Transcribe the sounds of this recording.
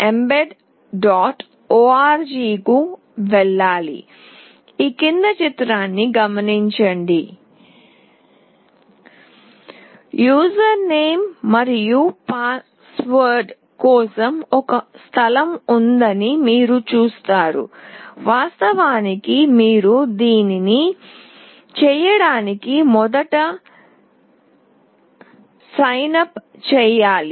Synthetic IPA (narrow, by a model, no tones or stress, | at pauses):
embeɖ | ɖaːʈ | oːaːɾd͡ʒiːku | ʋɛɭːaːlḭ | iːkind̪ɐt͡ʃit̪ɾaːnːiɡɐmɐniɲt͡ʃɐɳɖi | juːsɐɾne̞ːmːɐɾijupaː | sʋɐɾɖ | kɔːsɐmɔkɐst̪ʰɐlɐmund̪ɐnimiːɾut͡ʃuːst̪aːɾṵʋaːst̪ɐʋaːnikimiːɾud̪iːnini | t͡ʃɛːjɐɽaːnikimɔd̪ɐʈɐ | sɐjnɐp | t͡ʃɛːjaːli